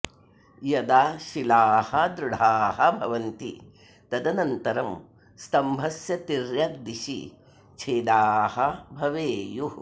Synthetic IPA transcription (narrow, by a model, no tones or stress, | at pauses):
jɐd̪aʃilaːhɐd̪ɾuɽ̤ʱaːɦɐbʱɐʋɐnt̪ḭ | t̪ɐd̪ɐnɐnt̪ɐɾɐm | st̪ɐmbʱɐsjɐt̪iɾjɐɡ̚d̪iʃḭ | t͡ʃʰeːd̪aːhɐbʱɐʋeːju